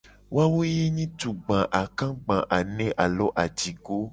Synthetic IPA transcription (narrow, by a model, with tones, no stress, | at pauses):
wa˦wo˦je˦ɲĩ˦tũ˨ɡ͡bã˨ʔa˨kã˦ɡ͡bã˨ʔa˨nɛ̃˦ʔa˨lɔ˨˦ʔa˨d͡ʒi˨ɡo˦